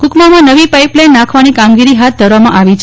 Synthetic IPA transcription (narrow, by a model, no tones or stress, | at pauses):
kukmamãnəʋipajplajnːakʰʋanikamɡiɾiɦat̪̚d̪ʱəɾʋamãʔaʋit͡ʃʰ